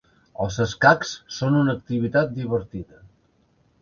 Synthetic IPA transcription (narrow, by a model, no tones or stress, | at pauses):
əlˠzəskakssonunək̚t̪iβ̞it̪at̪̚d̪iβəɾt̪iðə